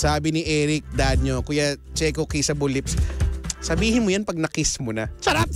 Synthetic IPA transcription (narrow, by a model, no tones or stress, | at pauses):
saːbɪnɪʔɛːɾɪk̚d̪ad̪̚ɲokʊjat͡ʃɛkokɛsɐbʊlɪpssɐbiːhɪnmojanpɐɡ̚nɐkɪsmonɐsɐɾap̚